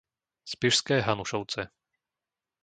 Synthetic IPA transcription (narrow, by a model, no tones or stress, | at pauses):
spiʃskɛːɦanuʃɔʊt͡sɛ